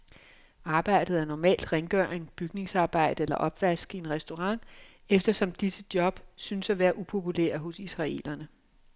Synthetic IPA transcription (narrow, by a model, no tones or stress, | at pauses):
ɑ̈ːb̥ɑ̈ɪ̰d̥ð̞̩ˠæɐnɒmɛ̰ːld̥ʁeŋɡ̥œɐ̰eŋb̥yɡ̥ne̝ŋsɑ̈ːb̥ɑ̈ɪ̰d̥əelɐʔɒ̽b̥ʋæsɡ̥ie̝nʁɛsd̥o̝ʁɑ̈ŋ̰ | efd̥ɐsɒ̽md̥isəd̥jɒ̽b̥synsæʋæːɐʔupʰo̝pʰulæ̰ːɐɦo̽sisʁɑ̈e̝̰ːlɐnə